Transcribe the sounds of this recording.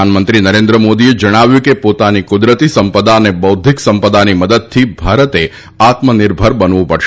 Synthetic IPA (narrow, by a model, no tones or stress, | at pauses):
anmənt̪ɾinəɾẽnd̪ɾəmod̪ied͡ʒəɽ̃aʋjũkepot̪anikʊd̪ɾət̪isəmpəd̪anebəwd̪ʱiksəmpəd̪animəd̪əd̪̚t̪ʰibʱaɾət̪e | at̪mənɪɾbʱəɾbənʋũpəɽʃ